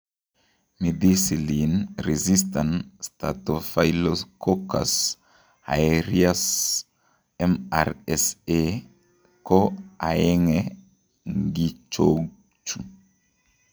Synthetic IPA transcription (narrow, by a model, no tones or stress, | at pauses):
mid̪isilinɾezistanstatofajloskʰoka̰s | a̰eɾias | ema̰ɾese | koaeŋe | ŋɡit͡ʃo | t͡ʃu